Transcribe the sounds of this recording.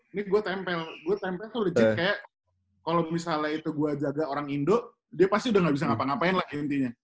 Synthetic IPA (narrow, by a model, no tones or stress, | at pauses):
niɡuat̪ɛmpɛlɡuat̪ɛmpɛlt̪ʊləd͡ʒɪt̪̚kajaʔ | kalomisalait̪uɡuad͡ʒaɡaoɾaŋindoʔ | diapast̪iudahŋɡabis̬aŋapaŋapaɪnlahint̪iɲa